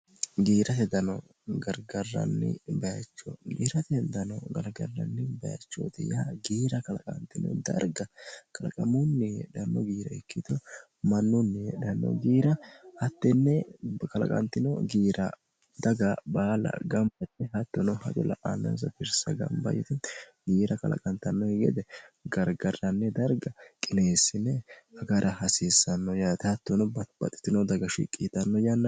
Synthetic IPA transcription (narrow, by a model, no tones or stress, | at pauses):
ɡiːɾʔɐt̪ɛd̪ɐnɔ | ɡɐɾɡɐrːɐ̰nːɪ̰bɐjɐt͡ʃːɔɡiːɾɐt̪ɛd̪ɐnɔɡɐɾɡɐrːɐnːɪbɐjɐ̰t͡ʃːo̰t̪ɪ̰jaɡiːɾɐkɐlɐkʼɐ̰nt̪ːɪnɔ̰d̪ɐ̰ɾɡɐkʰʼɐlɐkʼɐmʊnːɪᶑɐnːɔɡiːɾɐɛkːit̪ɔ | mɐnːʊnːɪᶑɐnːɔ̰ɡiːɾɐhɐt̪ːɛnːɛkɐlɐ̰kʼɐ̰nt̪ːɪnɔ̰ɡiːɾɐ | d̪ɐɡɐbaːlɐ̰ɡɐmbɐt̪ːɛhɐt̪ːɔnɔhɐt̪ɔlɐ̰ʔanːɐ̰ns̬ɐbɪɾsɐɡɐ̰mbɐ̰jɪ̰t̪ɪ | ɡiːɾɐkɐ̰lɐ̰kʼɐnt̪ːɐnːɔhɪɡɛ̰d̪ɛɡɐɾɡɐrːɐnːɛd̪ɐɾɡɐkʼɪneːsːɪnːɛɐɡɐɾʔɐhɐsɪsːɐnːɔjaːt̪ɪhɐt̪ːɔnɔb̥ɐ̰t̪ʼːɪ̥t̪ːɪnɔd̪ɐɡɐʃḭkʼːit̪ɐnːɔjɐnːɐ